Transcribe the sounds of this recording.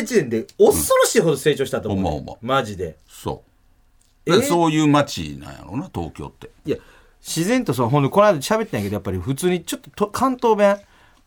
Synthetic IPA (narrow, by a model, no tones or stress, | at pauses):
t͡ɕiẽnd̪eossoɾoɕiːɦo̞d̪o̞se̞ːt͡ɕo̞ːɕit̪at̪omomo̰o̰mo̰maʑid̪e̞ | so̰ː | asoːjɯːmat͡ɕḭnã̰ja̰ɾo̰nat̪o̰ːkʲo̞̰ːt̪ːeija | ɕizẽ̞nt̪osoɦond̪oko̞nad̪ɕabe̞t̪ːẽjaked̪japːaɾʲiɸɯ̟t͡sɨːɲ̟it͡ɕo̞t̪ːot̪okʰãnt̪oːbẽ